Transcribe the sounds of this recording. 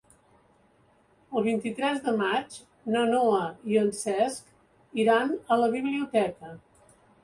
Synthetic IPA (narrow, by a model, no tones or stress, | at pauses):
əlˠβint̪it̪ɾɛzðəmad͡ʒ | nənoəiənsɛsk | iɾanələβiβliut̪ɛkə